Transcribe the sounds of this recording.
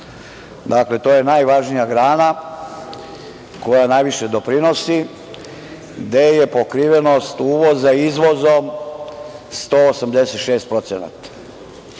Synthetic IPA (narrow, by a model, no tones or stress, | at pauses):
d̪akle̞t̪o̞ːje̞najʋaʒnijaɡɾaːna | ko̞janajʋiʃe̞d̪o̞pɾino̞si | d̪eje̞po̞kɾiːʋe̞no̞st̪uːʋo̞zaizʋo̞zom | st̪oːsamd̪e̞se̞t̪ʃeːst̪̚pɾo̞t̪sena̰t̪ḁ